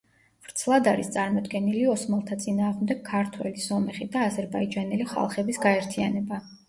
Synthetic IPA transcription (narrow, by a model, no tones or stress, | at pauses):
v̥ɾt̪sʰlˠad̪aɾist̪sʼaɾmɔd̪ɡɛniliɔsmɛlˠt̪ʰat̪sʼinaːʁmd̪ɛɡkʰːaɾt̪ʰwɛ̰lisɔmɛχid̪aːzɛɾbaid͡ʒanɛliχa̰lˠχɛbisɡaɛɾt̪ʰianɛba